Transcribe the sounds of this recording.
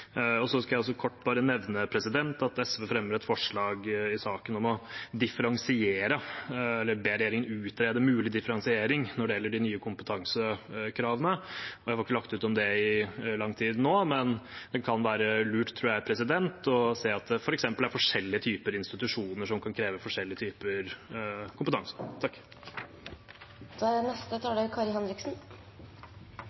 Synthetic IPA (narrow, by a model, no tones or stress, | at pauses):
ɔsɔskɑjæɑls̬ɔkʰɔʈːbɑːɾənɛʋnəpʰɾɛsɪd̪ɛnt̪ɑt̪ɛsʋɛfɾɛmːəɾɛt̪fɔʂɭɑːɡɪsɑːkənɔmɔd̪ɪfəɾɑŋsɪeːɾəɛlːəɾbeːɾɛjeːɾɪŋənʉːt̪ɾeːd̪əmʉːlɪd̪ɪfəɾɑŋsɪeːɾɪŋnɔɖɛjɛlːəɖɪnyːəkʰʊmpət̪ʰɑŋsəkʰɾɑːʋənəɔjæɪhɑɾɪkːəlɑk̚t̪ʉːt̪ɔmd̪ɛɪlɑŋːt̪ʰiːd̪noːmɛndd̪ɛnkʰɑnʋæːɾəlʉːʈt̪ʰɾuːjææpʰɾɛsɪd̪ɛnt̪ʰɔseːɑt̪̚d̪ɛfɔɾɛksɛmpəlæɾfɔʂɛlːɪət̪ʰyːpəɾɪnst̪ɪt̪ʉʂuːnəʂɔmkʰɑnkʰɾeːʋəfɔʂɛlːɪət̪ʰyːpəɾkʰʊmpət̪ʰɑŋsə̥t̪ʰɑkː | d̪̥æɖɛnɛst̪ət̪ʰɑːɖɛkʰɑɾɪhɛnɾɪksn̩